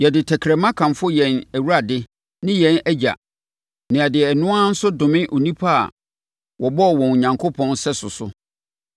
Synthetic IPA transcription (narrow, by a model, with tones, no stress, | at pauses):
jɛ˨dɪ˨tʰɛ˨kʰɾɛ˨mã˦kʰã˨mfʊ˦jɛ̃˨næ˨wu˦ɾa˨dɪ˦ | nɪ̃˦jɛ̃˨˦næ˦d͡ʑa̰˨ | nɪ̃˨a˨dɪ˨nʊ̃˦a˦n̩˦sʊ˦dʊ̃˨mɪ̃˦ʔo˨nĩ˦pʰa˦a̰˨ | wʔɔ˨bɔ˦˨wɔ̃˨n˨ɲã˨ŋkʰo˦pʰɔ̃˦nsɛ˦sʊ˨sʊ˦